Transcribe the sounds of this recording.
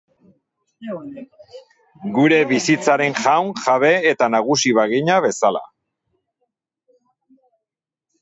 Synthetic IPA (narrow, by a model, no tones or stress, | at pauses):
ɡuɾe̞βisit͡saɾe̞nʝawŋʝaβe̞ːt̪anaɣ̞usiβaɣiɲaβe̞sala̰